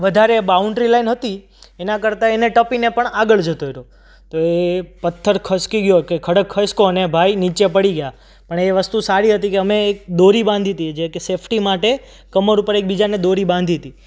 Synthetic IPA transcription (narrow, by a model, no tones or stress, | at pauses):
ʋəd̪ʱaɾebauɳʈɾilainɦət̪i | enakəɾt̪aeneʈəpinepəɳaɡəɭd͡ʒət̪oeɾo | t̪oepət̪ʰːəɾkʰəskiɡjokekʰəɽəkʰːəskonebʱainit͡ʃepəɽiɡəja | pəɳeʋəst̪usaɾiɦət̪ikeəmeːk̚d̪oɾibãnd̪ʱit̪ied͡ʒekesepʰʈimaʈe | kəməɾupəɾek̚bid͡ʒaned̪oɾibãnd̪ʱit̪i